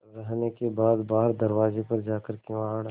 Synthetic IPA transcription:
ɾɐɦnekebaːd̪baːɦəɾd̪ɐɾʋaːzepɐɾd͡ʒaːkəɾkeaːɽ

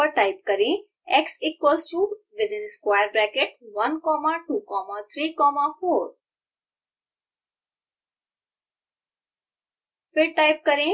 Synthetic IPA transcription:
əʈaɪp̚kəɾẽ | ɛksɪkːost͡ʃuː | ʋɪd̪ɪ̃nskʋajəɾbɾɛkeʈ̚ʋɐnkɔmaʈukɔmat̪ʰɾiːkɔmafoːɾ | fɪɾʈaɪp̚kəɾẽ

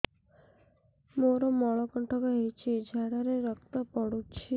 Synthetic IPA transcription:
moɾɔmɔɭɔkɔɳʈʰɔkɔɦejt͡ʃʰid͡ʒʱaɽɔɾeɾɔkt̪ɔpɔɽut͡ʃʰi

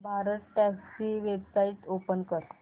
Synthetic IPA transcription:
bʱaɾət̪ʈɛksiʋebsaiʈopənkəɾ

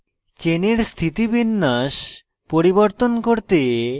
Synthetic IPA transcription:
t͡ɕeneɾst̪ʰit̪ibinːaʃ | poɾiboɾt̪onkoɾt̪e

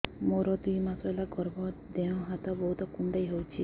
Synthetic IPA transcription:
moɾɔd̪ujmasɔelaɡɔɾbɔd̪ẽɔ̃ɦat̪ɔbɔɦut̪ɔkuɳɖajɦowt͡ʃʰi

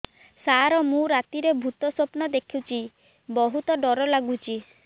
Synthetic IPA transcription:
saɾɔmũɾat̪iɾebʱut̪ɔsopnɔd̪ekʰit͡ʃʰi | bɔɦut̪ɔɖɔɾɔlaɡut͡ʃʰi

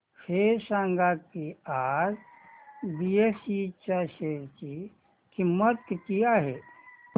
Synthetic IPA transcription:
fʰeːɾsãːŋɡakiaːɾ | biesit͡ʃaʃeːɾt͡ʃi | kimət̪kkijaɦɛː

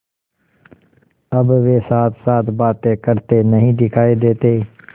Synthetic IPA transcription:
əbʋeːsaːt̪ʰsaːt̪baːt̪ẽːkəɾt̪eːnəɦĩːd̪ɪkʰaːed̪eːt̪eː

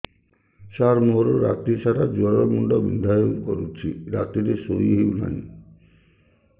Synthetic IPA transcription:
ʃaɾmoɦɾoɾa̰t̪ːiɾʃaʈad͡ʑuaɾɔɾmuɳɖɔbḭnd̪ʱajoɡkoɾut͡ɕʰiɾat̪ːiɾesojɦiuna̰ni

